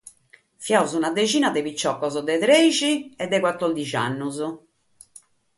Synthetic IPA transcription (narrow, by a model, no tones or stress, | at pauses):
fjawzunad̪et͡ʃiːnad̪ebit͡ʃːɔkːɔzd̪ɛt̪ɾɛt͡ʃiɛd̪ːekwat̪ːɔrd̪it͡ʃa̰nːʊzʊ